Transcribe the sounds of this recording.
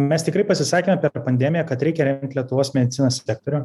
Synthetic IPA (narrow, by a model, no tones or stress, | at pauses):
mʲɛst̪ʲɪkɾɐɪpɐsʲɪsɑːkʲeːmʲɛpʲɛɾpɐnʲd̪ʲɛmʲɪjɛkɐt̪ɾʲɛɪkʲɛɾʲɛŋkt̪lʲiɛt̪ʊʋoːsmʲɛd̪ʲɪt̪sʲɪnoːssʲɛːk̚t̪oːɾʲʊ